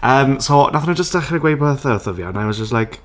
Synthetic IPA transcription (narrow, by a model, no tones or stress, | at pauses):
əːmsonʔaθnəd͡ʒəstd̥aχnəɡwejbəθəθɔvia̰najwɔzd͡ʒəstlajk